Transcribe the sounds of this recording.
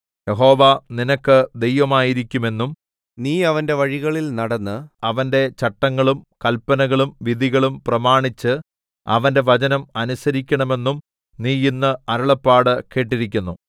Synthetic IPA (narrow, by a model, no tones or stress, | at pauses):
jeɦo̞ːʋaninɐkːɨd̪e̞jʋɐmaːjiɾikʲːume̞nːum | niːɐʋɐnde̞ʋɐɻiɣɐɭilnɐɽɐnːɨɐʋɐnde̞t͡ɕɐʈːɐŋːɐɭumkɐlpːɐnɐɣɐɭumʋid̪ʱiɣɐɭumprɐmaːɳit͡ɕːɨ | ɐ̰ʋɐnde̞ʋɐt͡ɕɐnɐmɐnusɐɾikʲːɐɳɐme̞nːum | niːinːɨɐɾɐɭɐpːaːɽɨke̞ːʈːiɾikʲːunːu